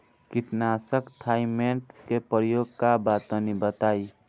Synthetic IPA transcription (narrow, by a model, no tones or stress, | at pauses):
kɪt̪nasəkt̪ʰaːimeɳʈkepɾəjoːɡ̚kabaːt̪õnibət̪aːi